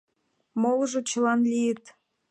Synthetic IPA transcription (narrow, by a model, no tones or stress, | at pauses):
molˠʒɤ̆t͡ɕəlɑnlʲijət̪